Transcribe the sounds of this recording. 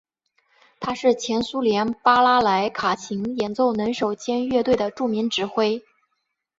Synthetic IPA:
t̪ʰa˥ʂɻ̩˥˩t͡ɕʰjɛ˧˥nsu˥ljɛ˧˥npa˥la˥la˧˥ɪkʰa˨˩t͡ɕʰi˧˥ŋjɛ˧˥nt͡so˥˩ʊnə˧˥nʂo˨˩ʊt͡ɕjɛ˥nɥɛ˥˧t̪we˥˩ɪd̪ə˩ʈ͡ʂu˥˩mi˧˥ŋʈ͡ʂɻ̩˧˥xwe˥ɪ

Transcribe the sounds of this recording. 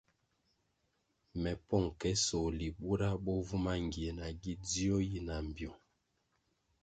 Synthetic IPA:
mɛ˨pɔ˦˨ŋkɛ˦sɔ˨li˨ɓu˦ɾa˦ɓɔ˦vu˦ma˦ŋɡi˨e˨na˨ɡi˦di˦ɔ˦ji˦na˨m˨bjɔ˨

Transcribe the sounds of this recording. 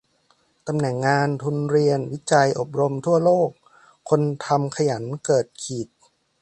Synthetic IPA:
t̪a˧mnɛ˨˩ŋːaː˧nt̪ʰu˧nɾi˧ənwi˦˥t͡ɕa˧jʔo˨˩p̚ɾo˧mt̪ʰu˥˩ɐloː˥˩k̚ʰː | o˧nt̪ʰa˧mkʰa˧ja˩˦nkɤː˨˩t̪̚kʰiː˨˩t̪̚

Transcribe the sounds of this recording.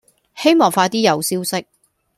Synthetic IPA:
he˥jmɔː˨ŋfaː˧t̪iː˥jɐ˨˧wsiː˥wsɪ˥k̚

